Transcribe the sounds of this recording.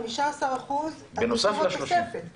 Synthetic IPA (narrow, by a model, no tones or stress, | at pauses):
miʃaːsaʁaχuz | benosafaʃloʃefe